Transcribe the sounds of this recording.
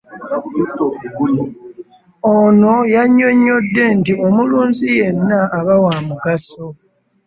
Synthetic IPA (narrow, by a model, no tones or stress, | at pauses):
ono̞jaɲːo̞ɲːo̞dːe̞ntio̞muluːnzije̞nːaʔːβawaːmuɡaso